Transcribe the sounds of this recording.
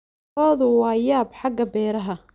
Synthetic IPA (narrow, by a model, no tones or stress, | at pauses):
ɔːðʊwɑːjaːbħɑɡɐbɛːɾɐɦɐ